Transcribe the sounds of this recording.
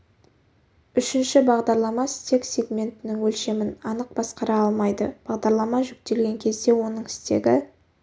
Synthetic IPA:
ʏʃɪnʃɪbɑʁd̪ɑɾlˠɑmɑsɪ̥t̪e̞ksʲe̞ɡmʲe̞nt̪ɪnɪŋwɵlʃe̞mɪnɑnəq̚b̥ɑsqɑɾɑɑlˠmɑjd̪əb̥ɑʁd̪ɑɾlˠɑmɑʒʏk̚t̪e̞lɡʲe̞ŋkʲʰe̞zd̪e̞wo̞nəɴɪst̪e̞̰ɡʲɪ

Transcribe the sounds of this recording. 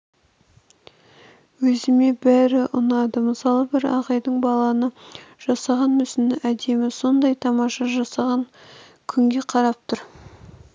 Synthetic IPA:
wɵzɪme̞bæɾɪʔʊnɑd̪əməsɑlˠəbɪɾɑ̰ʁɑjd̪əɴbɑlˠɑnəʒ̥ɑsɑʁɑnmʏsɪnɪʔæd̪e̞mɪso̞nd̪ɑjt̪ʰɑmɑʃɑʒɑsɑʁɑŋ | kʲʰʏŋɡʲe̞qʰɑɾɑp̚t̪ʰʊɾ

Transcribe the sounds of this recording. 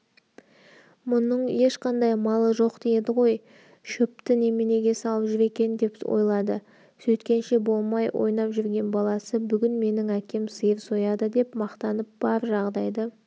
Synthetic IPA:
mʊnəɴje̞ʃqɑnd̪ɑjmɑlˠəʒo̞qd̪̥ejed̪ɪʁo̞j | ʃɵp̚t̪ɪne̞mene̞ɡʲe̞sɑlˠəpʒʏɾe̞kʲe̞nd̪e̞pwo̞̰jlˠɑd̪ə | sɵt̪kʲe̞nʃe̞bo̞lˠmɑjwʔo̞̰jnɑpʒʏɾɡʲe̞nbɑlˠɑsəbʏɡʲɪnme̞nɪŋækʲe̞msəjəɾso̞jɑd̪əd̪e̞pmɑqt̪ɑnəp̚b̥ɑɾʒɑʁd̪ɑjd̪ə

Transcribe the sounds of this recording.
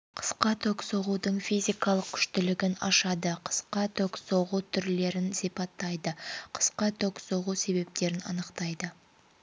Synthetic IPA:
qʰə̥sqɑt̪ʰɵksoʁud̪əɴfijzʲijkɑlˠəq̚kʲʰʏ̥ʃt̪ɪlɪɡʲɪnɑ̰ʃɑd̪əqʰə̥sqɑt̪ʰɵksoʁut̪ʰʏɾle̞ɾɪnsipɑt̪ːɑjd̪əqʰə̥sqɑt̪ʰoksoʁuse̞be̞p̚t̪e̞ɾɪnɑ̰nəqt̪ɑjd̪ə

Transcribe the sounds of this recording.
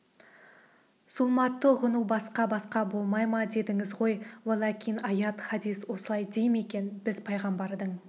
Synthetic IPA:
sʊlˠmɑt̪ːəʁənuwbɑsqɑbɑsqɑbo̞lˠmɑjmɑd̪e̞d̪ɪŋɪzʁo̞jwolˠɑkʲijnɑjɑt̪χɑd̪ijswo̞səlˠɑjd̪ejme̞kʲe̞nbɪzpʰɑjʁɑmbɑɾd̪əɴ

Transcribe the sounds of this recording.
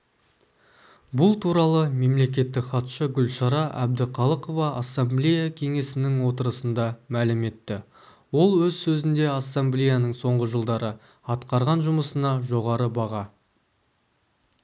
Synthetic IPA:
bʊlˠt̪ʰuɾɑlˠəme̞mle̞k̬ʲe̞t̪ːɪkχɑt̪ʃəɡʲʏlʃɑɾɑʔæ̰b̚d̪ɪqʰɑlˠəqo̞vɑasːamblʲejakʲʰe̞ŋe̞sɪnɪŋwo̞t̪əɾəsənd̪ɑmælɪme̞t̪ːɪ | wo̞lˠwɵzsɵzɪnd̪e̞asːamblʲejanəɴso̞ɴʁəʒəlˠd̪ɑɾə | ɑt̪qɑɾʁɑnʒʊməsənɑʒo̞ʁɑɾəbɑʁɑ

